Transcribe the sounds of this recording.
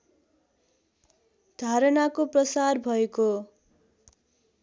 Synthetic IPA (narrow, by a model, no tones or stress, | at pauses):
d̪̥ʱaɾʌnakoprʌsarbʱʌeko